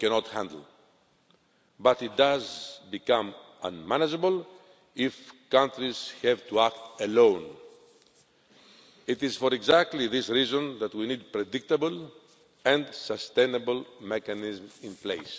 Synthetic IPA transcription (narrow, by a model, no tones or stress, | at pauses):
kɛnɔt̪hæ̃nd̪l̩ | bɐt̪it̪̚d̪azbikãm | ɐ̰̃nmanɐd͡ʒebəl | ifkãnt̪ɾiz̥hɛvt̪uakt̪elõʊ̃n | it̪iz̥foɾeɡzak̚t̪liðisɾizõnðɐt̪winid̪̚pɾed̪ik̚t̪ɐbəl | ɛ̃nd̪sɐst̪ẽnɐbəlmekanizmĩnplḛjs